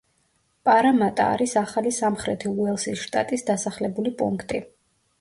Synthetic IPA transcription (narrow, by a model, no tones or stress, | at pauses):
pʼaɾamat̪ʼa̰ːɾisaχalisamχɾɛt̪ʰiuɛlˠsisʃt̪ʼa̰t̪ʼisd̪asaχlɛbulipʼṵŋkʰt̪ʼi